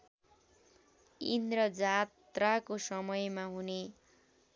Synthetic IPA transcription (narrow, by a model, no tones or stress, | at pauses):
ḭnd̪rʌd͡zat̪rakosʌmʌjmaɦune